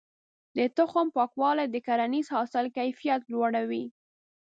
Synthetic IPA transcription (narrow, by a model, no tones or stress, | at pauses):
d̪ət̪ʊxʊmpɑkwɑlajd̪əkaɾanizhɑsɪlkajfijat̪lwaɽawi